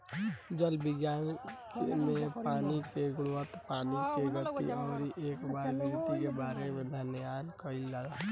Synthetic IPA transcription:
d͡ʒəlbɪɡjaːn | mẽpaːnikeɡʊɽʋət̪paːnikeɡət̪iɔːɾiʔeːkbaːɾbiɡt̪ikebaːɾemẽd̪ʱənəjaːnkəilaɡa

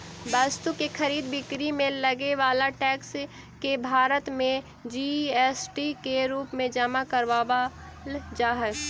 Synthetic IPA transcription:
baːst̪ukexʰɐɾiːd̪bɪkɾimẽlɐɡeʋaːlaʈɛːks | kebʱaːɾət̪mẽ | d͡ʒiɛːsʈikeɾuːpmẽd͡ʒəmakəɾʋaːba | d͡ʒaːɦə

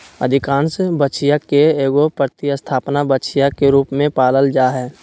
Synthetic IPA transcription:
ə̰d̪ʱɪkaːnsebətːt͡ʃijakeeːɡopɾət̪ɪəst̪ʰaːpnabət͡ʃijakeɾuːpmẽpaːləld͡ʒaːɦɛː

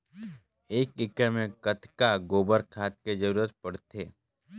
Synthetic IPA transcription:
eːkɪkəɾmẽkət̪ʰkaɡoːbəɾkʰaːt̪̚ked͡ʒəɾuːɾət̪̚pɐɽt̪ʰeː

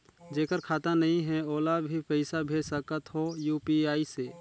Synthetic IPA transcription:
d͡ʒeːkəɾkʰaːt̪anəɦĩɦɛ̃oːlabʱipəɪsabʱeːsəkət̪ɦojuːpiaːise

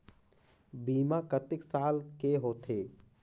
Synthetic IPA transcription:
biːmakət̪ɪksaːlkeɦoːt̪ʰeː

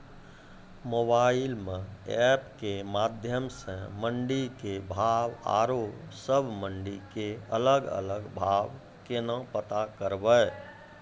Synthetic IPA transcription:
mobaɪilmẽɛpkemad̪ʱjəmsə̃məɳɖikebʱaba̰ɾosəbʱməɳɖikeələɡə̰ləɡbʱab | kenə̃pət̪akəɾbəj

